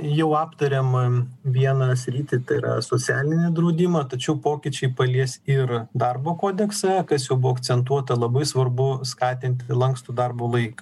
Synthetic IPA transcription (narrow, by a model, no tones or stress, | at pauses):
jɛʊɑːpt̪ɐɾʲemʋʲiɛnɐsʲɾʲiːt̪ʲɪt̪ɐɪɪɾɐ̰soːt͡s̪ʲæːlʲɪnʲɛd̪ɾɐʊd̪ʲɪmɐt̪ɐt͡ʃʲɛʊpoːkʲɪt͡ʃʲɛɪpɐlʲiɛsɪrd̪ɐrboːkoːd̪ʲɛksɑkɐsjɛʊbʊoːɐkt͡ssʲɛnt̪̬uɔt̪ɐlˠɐbɐɪsʋɐrbʊskɑːt̪ʲɪnʲt̪ʲlˠɐŋkst̪ud̪ɐrboːlˠɐɪkɐ